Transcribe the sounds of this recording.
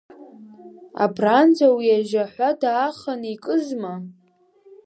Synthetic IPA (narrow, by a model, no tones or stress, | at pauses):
a̰bʰrand͡zʷʰʼawiaʒaħʷadaːχanikʼɨzma